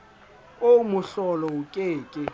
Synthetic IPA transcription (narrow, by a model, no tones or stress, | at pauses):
oumʊɬɔlɔʊkʼeːkʼɪ